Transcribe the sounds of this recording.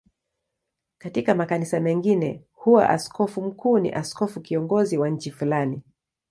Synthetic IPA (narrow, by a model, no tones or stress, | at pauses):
katikamakanisamɛŋɡinɛ | huwa̰ʔa̰skɔfum̩kuːnḭʔaskɔfukiɔŋɡɔziwaɲ̩t͡ʃifulani